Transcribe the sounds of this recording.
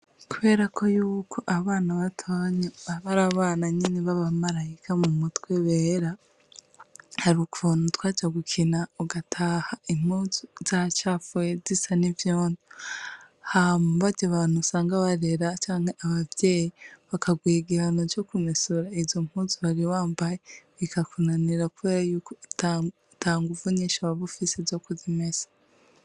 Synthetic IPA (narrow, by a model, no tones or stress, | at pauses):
kuβe̞ːɾakʰo̞juːkʰo̞ʔaβaːnaβatʰaɲeβaβaɾaβaːnaɲineβaβamaɾajikamumutweβeɾa | haɾiukuvonutwaːd͡ʒaɡukʰinauɡatʰaːhaim̥huzuz̥at͡ʃafezisanivjoːndi | hamuβaɟaβaːn̥husaːŋɡaβaɾe̞ɾat͡ʃaːŋheʔaβavjeːjiβakaɡwiːɡiɾanoɾjokumisuɾaizzom̥huzuβaɾiwaːmbajeβikakunaniɾakuβe̞ːɾajuːkot | tʰaːŋɡuvuɲiʃaβaβufisezokuzimez̥ḁ